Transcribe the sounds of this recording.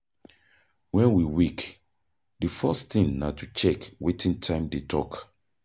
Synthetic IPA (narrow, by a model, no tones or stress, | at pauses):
wɛ̃nwiwik | difɔstĩŋnatʰut͡ʃɛkwetʰĩntʰãɪ̃mdetʰɔk